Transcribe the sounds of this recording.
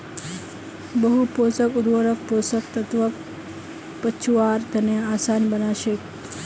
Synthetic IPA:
bəɦuposəkuɾʋəɾəkposəkt̪ət̪ʋək | pət͡ʃʰuaɾt̪əneasanbənaʃe

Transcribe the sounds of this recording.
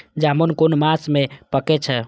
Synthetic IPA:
d͡ʒamonkonmasmepəkɛt͡ʃʰɛ

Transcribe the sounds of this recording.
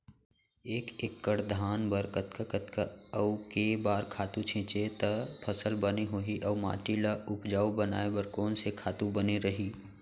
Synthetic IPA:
eːkeːkːəɽd̪ʱaːnbəɾkət̪kəkət̪kaəwkebaːɾkʰaːt̪ũt͡ʃʰɪ̃ːt͡ʃet̪ɐpʰɐsəlbəneɦoːɦiʔɐːma̰ːʈilaʊpd͡ʒaːubɐna̰ːebəɾkɔːnsekʰaːt̪ũbəneɾɐɦiː

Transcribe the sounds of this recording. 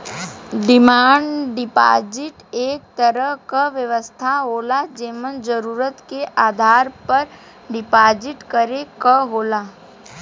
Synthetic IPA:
ɖɪmaːɳɖɖɪpa̰ːd͡ʒɪʈeːk̚t̪əɾəɦkəʋjəʋəst̪ʰaɦoːlad͡ʒeːmənd͡ʒəɾuːɾət̪keʔaːd̪ʱaːɾpɐɾ | ɖɪpaːd͡ʒɪʈkəɾekəɦoːlaː

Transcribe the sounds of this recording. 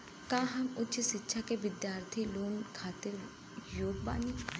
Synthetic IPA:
kãːɦɐmʊt͡ʃsɪtːʃʰakeʋɪd̪jaːɾt̪ʰiːloːnkʰaːt̪ɪɾ | joːɡba̰ːniː

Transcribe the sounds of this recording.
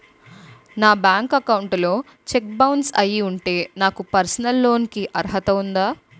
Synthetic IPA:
naːbaːŋkɐkɐwuɳʈlo̞ː | t͡ʃek̚bɐwnɖsɐjiuɳʈe̞ːnaːkupɐɾsɐnɐlːo̞ːnikiʔɐɾɦɐt̪ɐund̪aː

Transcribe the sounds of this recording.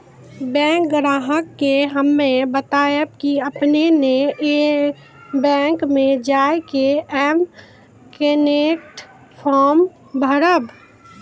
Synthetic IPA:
bɛ̃ːŋk̚ɡɾaːɦəkːeɦəmːẽbət̪aːjəb̚kiəpneneʔe | bɛ̃ːŋkmẽd͡ʒaːekeɛm | kenek̚ʈ | pʰɔːm | bʱəɾəb

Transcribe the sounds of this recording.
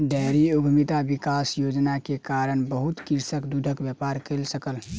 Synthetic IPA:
ɖɛɾiuɡʱmit̪abikasjod͡ʒnakekaɾənbəɦut̪kiɾsəkd̪ud̪ʱəkbjəpaɾkelsəkəl

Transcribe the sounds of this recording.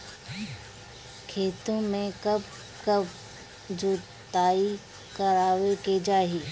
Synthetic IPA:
kʰeːt̪õmẽkɐb | kɐb | d͡ʒoː | t̪aːi | kɐɾaːʋeked͡ʒaːɦiː

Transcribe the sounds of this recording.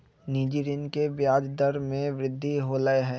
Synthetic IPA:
niːd͡ʒiːɾɪnkebjaːd͡ʒd̪əɾmẽʋɾɪd̪ʱːiɦoləeɦɛː

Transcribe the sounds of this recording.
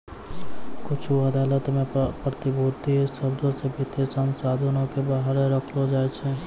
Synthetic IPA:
kʊt͡ʃʰuɐd̪aːlət̪mẽpɾət̪ɪbʱoːt̪isəɾd̪ʱõsebʱit̪esənsaːd̪ʱənõkebaːɦəɾẽɾəkʰlod͡ʒaːet͡ʃʰe

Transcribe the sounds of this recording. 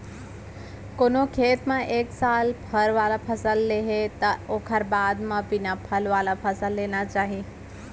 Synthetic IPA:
koːnokʰeːt̪mãʔeːksaːlpʰɐɾʋaːlapʰəsəlːeɦet̪ɐoːkʰəɾbaːd̪mãpinapʰɐlʋaːlapʰəsəlːeːnat͡ʃaːɦi

